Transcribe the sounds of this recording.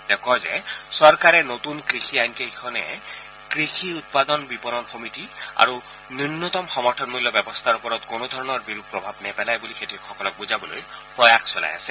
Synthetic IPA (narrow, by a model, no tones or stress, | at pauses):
dɛkɔzɛ̰sɔɹkaɹɛnotunkɹixʰiajnkeɦikʰɔnɛ̰ | kɹixʰiut̪̚pad̪ɔnbipɔnɔnxomitia̰ɹu | nunːɔt̪ɔmxɔmɔɹtʰɔnmulːjɔbjɛbɔst̪ʰaɹupɔɹɔtkonod̪ʱɔɹɔnɔɹbiɹub̚pɹɔbʱabnɛpɛlajbulixetikxɔkɔlɔk̚buzabɔlo̰jpɹɔjaxsɔla̰ja̰sɛ